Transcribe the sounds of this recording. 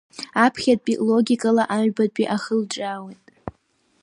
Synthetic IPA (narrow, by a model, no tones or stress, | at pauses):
apʰχʲat̚ʼpʼilo̞ɡʲikʼalaʔaɥbad̚pʼiʔaχəld͡ʒʼawejtʼ